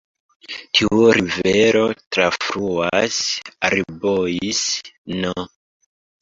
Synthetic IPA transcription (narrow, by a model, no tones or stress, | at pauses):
tʰiuɾiveɾo̞tɾafɾuasaɾibojisno